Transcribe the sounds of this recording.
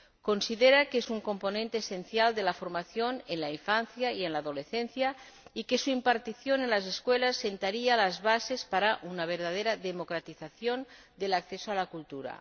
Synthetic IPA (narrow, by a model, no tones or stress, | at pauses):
konsiðeɾakezuŋkomponẽnt̪eːsenθjald̪elafoɾmaθjonenlaiɱfan̟θjaienlaːðoleθenθja | ikesuimpaɾt̪iθjonenlas̬eskwelasːent̪aɾialazβasespaɾaʔunaβ̞eɾðað̞eɾaðemokɾat̪iθaθjon | d̪elakθesoalakult̪uɾa̰